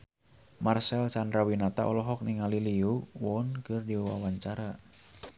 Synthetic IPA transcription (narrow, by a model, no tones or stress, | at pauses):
marsɛlsandɾawinat̪a̰ʔɔ̰lɔɦɔk̚niŋaliliuwɔnkɨrdiwa̰waɲt͡ʃaɾa